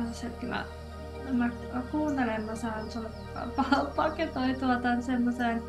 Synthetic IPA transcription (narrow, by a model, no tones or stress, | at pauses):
nsset̪kylɑ̰ | mæ | kuːnt̪elemːɑsɑːnsol | ɑ̰pɑpɑket̪oit̪uɑt̪ɑnsemːoseːn